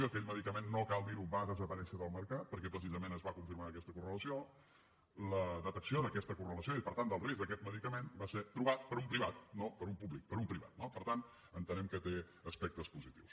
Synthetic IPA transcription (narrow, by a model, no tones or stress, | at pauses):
oəkɛʎməðikəmenːokalˠd̪iɾubaðəzəpəɾɛnsiəðəlˠməɾkat̪̚pəɾkɛpɾəsizəmenəzβakuɱfiɾmaəkɛst̪əkurələsio | ləðət̪əksioðəkɛst̪əkurələsioipəɾt̪and̪əlˠrezðəkɛt̪məðikəmenbaseɾt̪ɾuβat̪̚pəɾumpɾiβat̪̚nopəɾumpuβlik̚pəɾumpɾiβa̰t̪nopəɾt̪an | ənt̪ənɛmkət̪e | əspɛk̚t̪əspuzit̪iws